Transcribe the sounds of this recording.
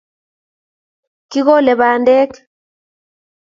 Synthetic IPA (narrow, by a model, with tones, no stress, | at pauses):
ki˦ɣɔ˦lɛ˨βa˨ndɛ˦k